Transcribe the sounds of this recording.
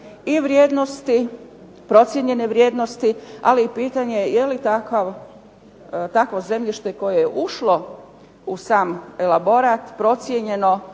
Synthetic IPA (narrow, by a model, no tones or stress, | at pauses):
iʋɾjeːd̪no̞st̪i | pɾo̞t̪sjeɲe̞ne̞ʋɾjeːd̪no̞st̪ialiːpiːt̪aɲe̞je̞lit̪akaʋ | t̪akʋo̞ze̞mʎiʃt̪eko̞jejeʔuʃlo̞ | usaːmelabo̞ɾat̪pɾo̞t̪sjeɲe̞no̞